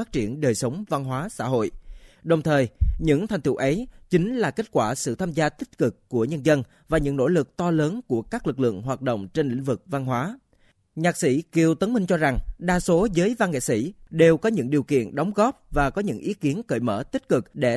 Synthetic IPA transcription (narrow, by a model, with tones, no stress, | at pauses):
aː˦˥t̚t͡ɕi˧˩ənɗəː˨˩jsə˨˦wŋ͡mva˧nɦwaː˨˦sa̰ː˧˥ɦo̰˧˨jɗə˨˩wŋ͡mt̪ʰəː˨˩jɲɨ̰˧˥ŋt̪ʰa˨˩jŋ̟t̪ʰu˧˩ʔə˨˦jt͡ɕi˨˦ŋ̟laː˨˩ke˦˥t̚kwaː˧˩sɨ̰˧˨t̪ʰaː˧mzaː˧t̪ï˦˥t̟̚kɨ˨˩kːu˧˩əɲə˧nzə˧n | vaː˨˩ɲɨ̰˧˥ŋno̰˧˥lɨ˨˩k̚t̪ɔ˧ləː˨˦nku˧˩əkaː˦˥k̚lɨ˨˩k̚lɨ̰˧˨əŋɦwaː˨˩t̚ɗo̰˧˨wŋ͡mt͡ɕe˧nlḭ˧˥ŋ̟vɨ˨˩k̚va˧nɦwaː˨˦ | ɲaː˨˩k̚sḭ˧˥ki˨˩əwt̪ə˨˦nmï˧ŋ̟t͡ɕɔ˧za˨˩ŋɗaː˧so˨˦zəː˨˦jva˧nŋḛ˧˨sḭ˧˩˥ɗe˨˩wkɔ˨˦ɲɨ̰˧˥ŋɗi˨˩əwkḭ˧˨ənɗɔ˨˦wŋ͡mɣɔ˦˥p̚vaː˨˩kɔ˨˦ɲɨ̰˧˥ŋʔi˨˦ki˨˦ənkə̰ː˧˩jmə̰ː˧˩t̪i˦˥t̟̚kɨ˨˩k̚ɗe˧˩